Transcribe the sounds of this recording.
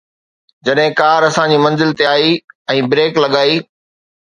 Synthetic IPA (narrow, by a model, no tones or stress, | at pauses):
d͡ʑɐɗɦɪ̃kaːɾɐsãɲd͡ʑiːmɐ̃nzɪlt̪eaːiɛ̃ːbɾeːklɐɠaːiː